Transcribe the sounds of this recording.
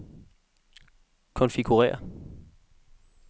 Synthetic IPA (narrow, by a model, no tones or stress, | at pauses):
kʰɔ̽nfiɡ̥uʁɛ̰ːɐ